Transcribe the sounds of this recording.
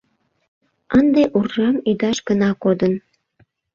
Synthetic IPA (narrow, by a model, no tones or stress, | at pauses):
ənd̪eʔurʒɑmyd̪ɑʃɡənɑkod̪ən